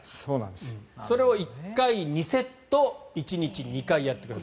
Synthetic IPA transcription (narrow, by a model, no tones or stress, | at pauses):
ssoːnã̰nd̪esso̞ɾe̞oikkkːaiɲ̟ise̞t̪ːo̞it͡ɕiɲ̟it͡ɕiɲ̟ikaijat̪ːe̞kɯɾ